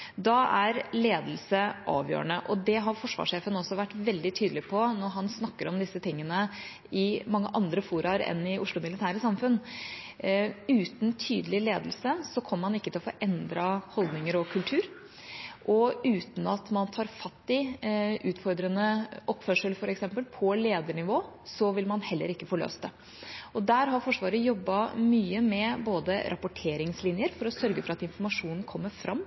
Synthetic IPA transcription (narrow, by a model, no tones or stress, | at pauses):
d̪ɑʔæɾleːd̪l̩səʔɑ̰ːʋjø̰ːɾəɳəʔɔd̪ɛɦɑɾfɔʂʋɑ̰ʂeːfənɔsːɔʋæʈːʋɛld̪ɪt̪ʰyːd̪əlɪpʰɔnɔɾɦɑnsnɑkːəɾɔmd̪ɪsːət̪ʰɪŋːənə | ɪmɑŋːəʔɑnd̪ɾəfuːɾɑɾɛ̰nɪʊʂɭʊmɪlɪt̪ʰæːɾəsɑmfʉn | ʉːt̪n̩t̪ʰyːd̪əlɪleːd̪əl̩səsɔkʰɔmːəɾmɑnɪkːət̪ʰɪlɔfɔʔɛnd̪ɾɑhɔld̪nɪŋəɾɔkʰʉlt̪ʰʉːɾ | ʔɔʉːt̪n̩ɑt̪mɑnt̪ʰɑːɾfɑt̪ːɪʔʉːt̪fɔɾd̪ɾənəʔɔpːfœʂəlfɔɾɛksɛmpəlpʰɔleːd̪əɳɪʋoːsɔʋɪlmɑnhɛlːə̰ɾɪkːəfɔɭø̰ːst̪ɛ | ɔd̪æːɾɦɑɾfɔʂʋɑːɾəjɔbːɑmyːəmɛboːd̪əɾʔɑpʊʈʰeːɾɪŋslɪnjəɾfɔɾɔsœɾɡəfɔɾɑt̪ɪnfɔɾmɑʂuːnn̩kʰɔmːəɾfɾʔɑmː